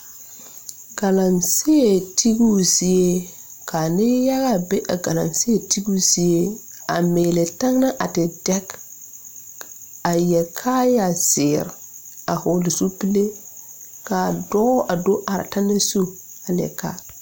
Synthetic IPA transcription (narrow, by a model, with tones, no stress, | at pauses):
ɡa˨la˨nsɪ˦e˨tʰi˦ɡu˦si˦e˦ | ka˨nɪ˦ja˦ɣa˦be˦ʔa˨ɡa˨la̰˨nsɪ˦e˨ti˦ɡu˦si˦je˦a̰˨meː˨le˨ta˦ŋna˦ʔa˨tɪ˨dɛ˦k | a˨jɛ˨kʰa˦ja˨sɪ˨ɾ | a˨hʊ˨lɪ˨su˦pi˦le˦ | ka˨dɔ˦ʔa˨do˦ʔa˨ɾa̰˨ta˦ne˦su˦ | a˨lɪ˨ɛ̰˨ka̰˦